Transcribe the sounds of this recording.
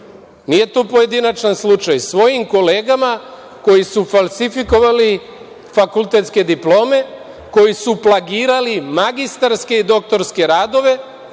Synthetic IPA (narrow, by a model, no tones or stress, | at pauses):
nije̞t̪oːpo̞je̞d̪inat͡ʃanslˠut͡ʃajsʋo̞jimko̞le̞ːɡama | ko̞jisufalsifiko̞ʋali | fakult̪e̞t̪ske̞d̪iplo̞ːme̞ | ko̞jisuplˠaɡiːɾalimaɡist̪aɾske̞id̪o̞k̚t̪o̞ɾske̞ɾaːd̪o̞ʋe̞